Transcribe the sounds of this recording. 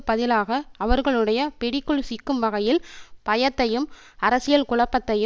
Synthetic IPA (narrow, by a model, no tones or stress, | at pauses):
pɐðɪlaːɣɐːʋɐɾɣɐɭɯɽɐjɐpɛɽɪkːɯɭsikːɯmʋɐɣɐjɪlpɐjɐt̪ːɐjɯm | ɐɾɐsɪjɐlkʊɭɐpːɐt̪ːɐjɯ